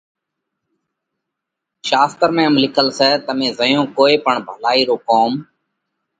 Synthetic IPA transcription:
ʃaːst̪əɾmẽːəmlɪkʰəlsɛːt̪əmẽːzəjõːkoːeːpəɳbʱəlaːiːɾoːkoːm

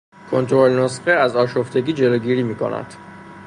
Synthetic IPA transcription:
kʰo̞nt̪ʰɾolnosxeæzɒːʃoft̪e̞ɡiːd͡ʒe̞loɡiːɾiːmiːkʰo̰næ̰d̪̥

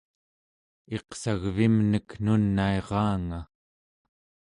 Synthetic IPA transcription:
e̞qsaɣvimnəknunːaeʁɑːŋa

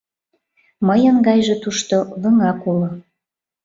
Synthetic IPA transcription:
məjənɡɑjʒĕt̪uʃt̪olə̆ŋɑkulŏ

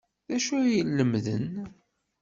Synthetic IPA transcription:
ðæʃujəlːəmðə̰n

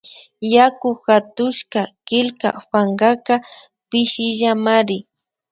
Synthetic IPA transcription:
jakʊxat̪ʊʃkakɪlka̰ɸaŋɢaka | pɪʃɪʒamaɾɪ

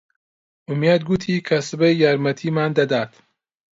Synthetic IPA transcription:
ʔumjad̪̚ɡut̪ʰikʰasɨbɐjjaɾmɐt̪ʰiːmaːnd̪ad̪aːt̪

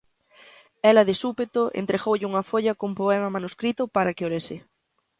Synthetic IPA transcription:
ɛlɐðɪsupet̪oʔḛnt̪ɾeɣowʎɪuŋɐfoʎɐkoumpoɛmɐmanuskɾit̪ʊpaɾakɪoɾesɪ

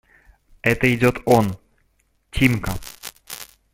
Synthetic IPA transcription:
ɛt̪əɪdʲot̪on | tʲʰimkə

